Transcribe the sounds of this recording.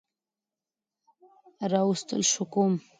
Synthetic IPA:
ɾɑwust̪ə̰lʃʊkum

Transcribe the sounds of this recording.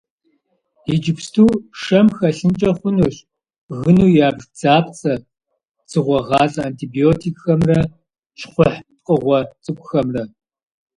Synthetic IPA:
id͡ʒɪpstʰuːʂɐmxɐɬɨnt͡ʃʼɐχʷʊnuːɕ | ɣɨnuːjaːbʒd͡zaːpt͡sʼɐ | t͡sɨʁʷɔʁɑːzʼɐaːntʰiːbioːtʰikʼxɐmrɐ | t͡ʃʰχʷʊħt̚qʼəʁʷɔt͡sʼɨkʷʼʊxɐmrɐ

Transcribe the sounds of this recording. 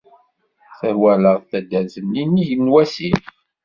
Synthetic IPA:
θəɾwæləʁθæd̪æzənːiniʝənːwæsim

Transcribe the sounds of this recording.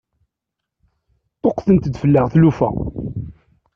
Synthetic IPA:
t̪ˤːoqθənt̪əd̪fəlːəʁθlufæ̰

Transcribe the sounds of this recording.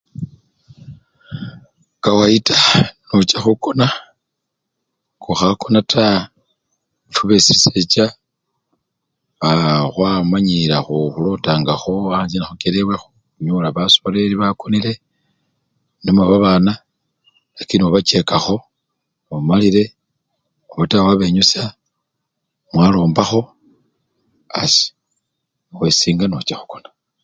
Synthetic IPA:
kawaitʰanot͡ʃaxuko̞na | kuxako̞natʰa | fuβesiiset͡ʃa | βaxwamaɲilaxuxulotaːŋɡaxo̞aɲzinaxukeɾewexu | ɲulaβasoɾeliβakonile̞ | nomwaβaβana | lakinioβat͡ʃe̞kaxo̞ | βamaliɾe̞ | oβatawaβe̞ɲusa | mwalo̞ːmbaxo̞ | asi̥ | xwesiːŋɡanot͡ʃaxu̥kona

